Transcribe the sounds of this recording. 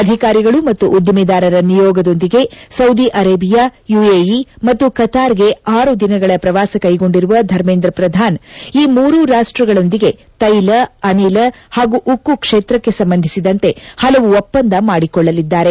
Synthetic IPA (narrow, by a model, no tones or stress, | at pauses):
ɐd̪ʱikaːɾiɡɐɭumɐt̪ːuʔːd̪ʱjɐmid̪aːɾɐɾɐnijɔːɡɐd̪o̞nd̪iɡe̞sɐwd̪iʔɐɾeːbijaːjueːjimɐt̪ːukɐt̪aːɾɡe̞aːɾud̪inɐɡɐɭɐpɾɐʋaːsɐkɐjɡo̞ɳɖiɾuʋɐd̪ʱɐɾmeːnd̪ɾɐpɾɐd̪ʱaːniːmuːɾuɾaːʂʈɾɐɡɐɭo̞nd̪iɡe̞ | t̪ɐjlɐɐnilɐ | haːɡuʔukːukʂeːt̪ɾɐkːe̞sɐmbɐnd̪ʱi̥sid̪ɐnt̪e̞hɐlɐʋuɔpːɐnd̪ɐmaːɽikɔɭːɐlid̪ːaːɾe̞